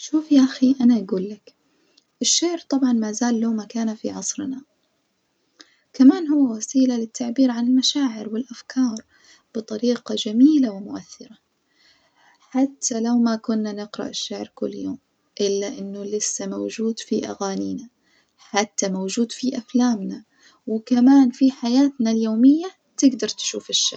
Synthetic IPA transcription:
ʃuːfjaʔaxiʔanaʔaɡuːlːak | ʔɪʃːaʕɾt̪ˤɑbʕɑnmaːzaːlːawmakaːnafḭʕɑsˤɾna | kamaːnɦʊwːawasiːlalɪt̪ʰːaʕbiːɾʕanɪlmaʃaːʕɪɾwɪlʔafkʰɑːɾˤ | b̥ɨt̪ˤɑɾiːqɑd͡ʒamiːlawɪmʊʔaθːɪɾa | ħat̪ʰːalawmakʊnːanɪqɾɑ̰ʔɪʃːaʕɾkʊlːjo̰ːm | ʔɪlːaʔɪnːʊlɪsːamawd͡ʒuːd̪fiʔa̰ɣaːniːna | ħat̪ːamawd͡ʒuːd̪fiʔaflaːmna | wɪkamaːnfiħajaːt̪naljoːmɪjːa | t̪ɪɡd̪ɑɾˤt̪ʃṵːfɪʃːa̰

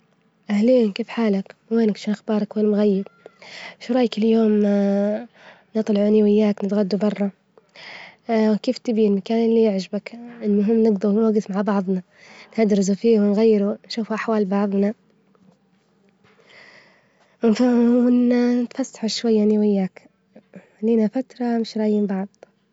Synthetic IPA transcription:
ʔahliːnkeːfħaːlakweːnkʃuːnxbɑːɾˤɑkwɪlːamɣajːɪb | ʃɾˤɑːjkɪljoːm | nɨt̪ˤlɑʕuniwɪjːaːknɪt̪ɣad̪ːubɑrˤːɑ | wkeːft̪ɪbilmakaːnɪlːijɪʕd͡ʒɪbakʔɪlːʊɦɪmːnɪɡd̪unwaɡɪθmaʕbɑʕðˤna | nhad̪ɾɪzufiːwɪnɣajːɪɾunʃuːfuʔaħwaːlbɑʕðˤna | wnfawɪnnɪt̪fasːḁħuʃwajːaniwɪjːaːk | liːnafat̪ɾˤɑmɪʃɾˤɑːʔjimbɑʕðˤ

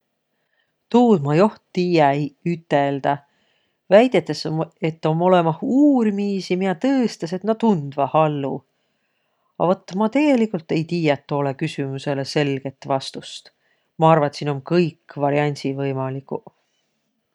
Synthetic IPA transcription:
t̪uːd̪mɑjo̞ht̪ːiːjɑejyt̪ːˑe̞ld̪̥ɑ | væjd̪̥e̞t̪ːˑese̞t̪ːˑo̞mo̞le̞mɑhuːɾimiːsimijɑt̪ɤːst̪ese̞t̪nɑt̪und̪̥vɑhɑlːṵ | ɑ̰vot̪ːˑmɑt̪e̞ɡ̥e̞likːˑult̪ːˑe̞jt̪iːjɑt̪ːo̞ːlekysymuse̞le̞se̞lɡ̥e̞t̪ːˑvɑst̪ust̪ | mɑɑrvɑt̪sinomkɤjkːvɑɾjɑnʲsivɤjmɑliku

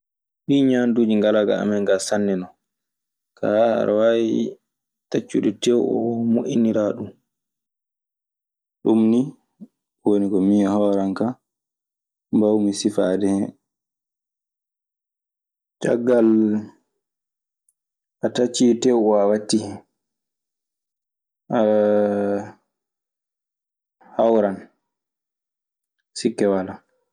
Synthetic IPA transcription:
ɗiːɲandud͡ʒiŋɡalaɡa̰a̰mɛŋɡasanːɛnɔ | kʰaha̰ɾwawi | tat͡ʃːuɗɛtɛwɔmoʔiniɾaːɗum | ɗumni | wonikɔmijahɔːɾaŋka | mbawmisifaːdɛhɛ | t͡ʃa̰ɡːal | ʔatat͡ʃːitɛwwawatːi | hawɾan | sikːɛwala

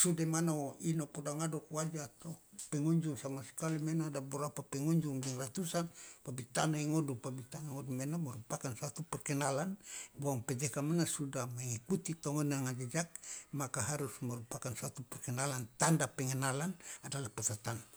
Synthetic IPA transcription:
sudamanainopɔdaŋadokuwad͡ʒaːt̪opɛŋɔɲd͡ʒuŋsamasə̥kalimɛnadabəɾapapɛŋɔɲd͡ʒuŋdɛŋrat̪usanpabit̪anaiŋɔdupabit̪anaŋɔdumɛnamɛɾupakansat̪upɛrkɛnalanbuaŋpɛd͡ʒɛkamanasudahmaŋikut̪it̪ɔŋɔnaŋad͡ʒad͡ʒak̚makaɦaɾusmɛɾupakansat̪upɛrkɛnalant̪andapɛŋɛnalanadalahpɛt̪at̪an

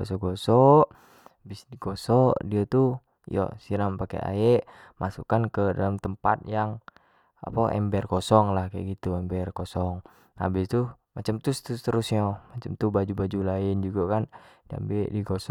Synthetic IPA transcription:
ɔsɔɡɔsɔʔ | abɪsdiɡɔsɔʔdiat̪u | jɔ̰siɾampakɛ̰ʔa̰ɛʔ | masukankədalamt̪əmpa̰t̪̚jaŋ | a̰paʔɛ̰mbɛrkɔsɔŋlahkɛ̰ɡit̪uɛmbɛrkɔsɔŋ | a̰bɪst̪u | mat͡ʃamt̪ust̪st̪əɾʊsɲɔmat͡ʃamt̪ubad͡ʒubad͡ʒulaɪnd͡ʒuɡakand͡ʒa̰mbɛʔdiɡɔsɔ

